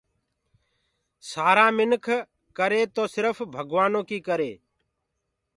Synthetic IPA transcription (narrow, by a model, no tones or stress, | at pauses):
saːɾãːmɪnkʰ | kəɾeːt̪oːsɪɾəfbʱəɡʋaːnõːkiːkəɾeː